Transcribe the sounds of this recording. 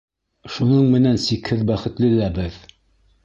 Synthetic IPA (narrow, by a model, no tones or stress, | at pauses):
ʃunɤɴmɘ̆nænsikhɘðbæχɘ̆t̪lɘ̆læbɘð